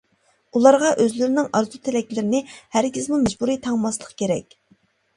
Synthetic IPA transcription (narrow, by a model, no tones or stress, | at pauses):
ulˠɑɾʁɑʔøzlɪɾɪnɪŋʔɑɾzut̪ʰɪlɛkʲlɪɾɪnɪhæɾkʲɪzmumɛd͡ʒbuɾit̪ʰɑŋmɑslˠəqkʲeɾɛkʲ